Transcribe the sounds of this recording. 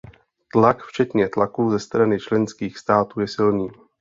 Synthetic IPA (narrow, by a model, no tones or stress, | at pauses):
t̪lakft͡ʃɛt̪ɲɛt̪lakuːzɛst̪ɾanɪt͡ʃlɛnskiːxst̪aːt̪uːjɛsɪlniː